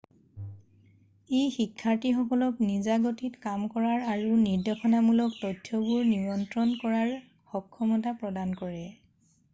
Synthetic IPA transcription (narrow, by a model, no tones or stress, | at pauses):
ejxikʰːaɹtixɔkɔlɔknizaɡotʰitkamkɔɹaɹaɹuniɹdɔxɔnamulɔktɔtʰːjɔbuɹniɹɔntɹɔnkɔɹaɹ | xɔkʰːɔmɔtapɹɔdankɔɹɛ